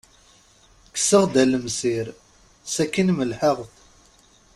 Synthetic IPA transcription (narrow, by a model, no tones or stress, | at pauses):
kə̥səʁd̪æləmsiɾ | sækːinməlħəʁθ